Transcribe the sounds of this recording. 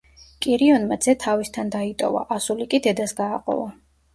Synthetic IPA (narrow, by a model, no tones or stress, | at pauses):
kʼiɾiɔnmad̪z̥ɛt̪ʰavist̪ʰand̪ait̪ʼɔ̰va̰ʔasulikʼid̪ɛd̪asɡaːqʼɔ̰va